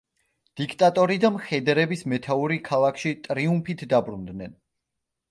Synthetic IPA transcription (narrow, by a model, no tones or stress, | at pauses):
d̪̥ikʰt̪ʼat̪ʼɔɾid̪amχɛd̪ɾɛbismɛt̪ʰauɾikʰalˠakʰʃit̪ʼɾiumpʰit̪ʰd̪abɾund̪nɛn